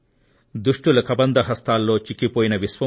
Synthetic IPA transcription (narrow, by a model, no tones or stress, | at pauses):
d̪uʂʈulɐkɐbɐnd̪ɐɦɐst̪aːlːo̞ːt͡ʃikːipoːjinɐʋisʋɐ